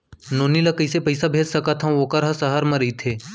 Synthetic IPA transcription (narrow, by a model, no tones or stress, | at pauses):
noːnilɐkəɪsepəɪsabʱeːd͡ʒsəkat̪ʰãokəɾɦasəɦəɾmɐ̃ɾəit̪ʰeː